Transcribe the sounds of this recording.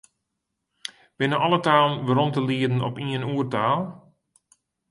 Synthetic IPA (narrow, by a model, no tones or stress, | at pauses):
b̥ɪnəʔɔlˠətaːlˠənʋəɾɔntəliədn̩ɔ̰piənuːərtaːlˠ